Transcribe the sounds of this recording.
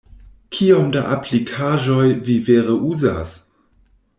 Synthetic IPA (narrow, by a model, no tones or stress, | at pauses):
kʰiomda̰ʔaplikʰaːʒojviveʁəʔuza̰s